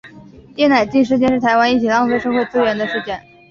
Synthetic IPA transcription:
t̪jɛ˥na˨˩ɪt͡ɕi˥˧nʂɻ̩˥t͡ɕjɛ˥˧nʂɻ̩ʰ˥˩˧ɪwa˥ni˥˩t͡ɕʰi˨˩lɑ˥˧ŋsʂɤ˥˧xwe˥˧ɪt͡sɹ̩˥ɥɛ˧˥nd̪ə˧ʂɻ̩˥˧t͡ɕjɛ˥˩n

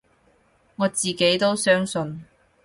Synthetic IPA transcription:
ŋɔː˨˧t͡siː˨˩ke˨˥jt̪o˥wsœː˥ŋsɵ˧n

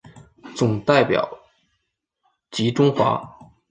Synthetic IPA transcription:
t͡sʊ˨˩ŋt̪a˥˩ɪpjɑ̰˨˩ʊ | t͡ɕi˧˥ʈ͡ʂʊ˥ŋxwa̰˧˥

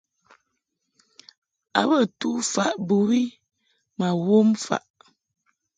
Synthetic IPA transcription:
a̰˨bə˦˨tu˦fa˨ʔbu˨wi˦ | ma˨wo˦mfa̰˨ʔ

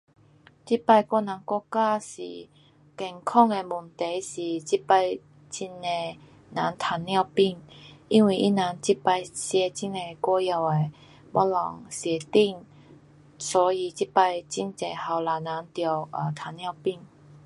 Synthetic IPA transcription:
t͡ɕi˦˥pa˧jkwɔ˧nã˨˦nkɔ˥˧ka˥˧ɕḭ˨ | kɛ˨˩ŋkʰɔ˥˧ŋe˧mu˨˩nt̪e˨˦jɕi˨˩t͡ɕi˦˥pa˧j | t͡ɕi˧ne˧ | nã˨˧˦nt̪ʰa˧nːja˥˧ʊpi˥˧ŋi˧˥nwi˨˩ʔi˦˥na˨˧˦nt͡ɕi˦pa˧jɕjɛ˧t͡ɕi˧˥ne˧kɔ˥˧ja˧˩we˧˩ | bɔ˧˥lɔ˨˩ŋɕjɛ˨˩t̪i˥˧ŋ | sɔ˨˦i˧t͡ɕi˦˥pa˧jt͡ɕi˧˩nt͡se˨˩ha˨˧wla˨˩nã˨˦nt̪jɔ˨˩ə˨˩t̪ʰa˨˧˦nja˥˧ʊpi˥˨ŋ

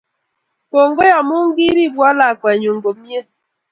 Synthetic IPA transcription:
ko˨ŋɡo˦ja˨mu˦ŋ˦ɡi˦ɾi˦˨bwɔ˦la˨kwɛ˨ɲu˨ŋɡo˨mje˦

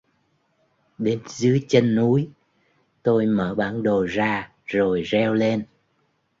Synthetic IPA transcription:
ɗe˨˦nzɨ˨˦ət͡ɕə˧nːu˨˦j | t̪o˧jməː˧˩ɓaː˧˩nɗo˨˩zaː˧ | zo˨˩jzɛ˧wle˧n

